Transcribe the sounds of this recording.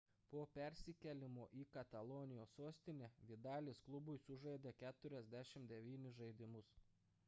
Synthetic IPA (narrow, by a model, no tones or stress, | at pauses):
poːpʲɛɾʲsʲɪkʲɛlʲɪmoːʔiːkɐt̪ɐlˠoːnʲɪjoːsoːsʲt̪ʲɪnʲeːʋʲɪd̪ɑːlʲeːsklˠʊbʊjsʊʒɐɪd̪ʲekʲæːt̪ʊɾʲɛzʲd̪ʲæʃʲɪmd̪ʲɛʋʲiːnʲɪʒɐɪd̪ʲɪmʊs